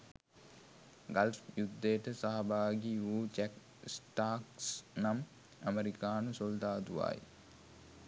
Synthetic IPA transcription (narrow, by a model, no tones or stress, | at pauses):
ɡalfjud̪ːejːʈəsaɦabaːɡiuːt͡ʃæk | sʈaːksnam | əmeɾikaːnəsold̪aːd̪uʋa̰ːj